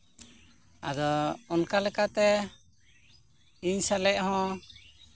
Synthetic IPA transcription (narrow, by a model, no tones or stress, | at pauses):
ad̪ɔɔnkalɛkat̪ɛ | iɲsalɛʔ̚hɔ̃